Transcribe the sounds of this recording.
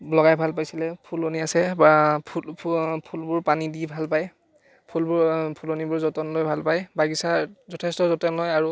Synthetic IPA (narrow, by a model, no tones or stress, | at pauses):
blɔɡajbʱalpajsilɛpʰuloniasɛbapʰupʰulbʊɹpanidibʱalpaj | pʰulbʊɹpʰulonibʊɹzɔtɔnlojbʱalpajbaɡisazɔtʰɛstɔzɔtɔnlɔjaɹu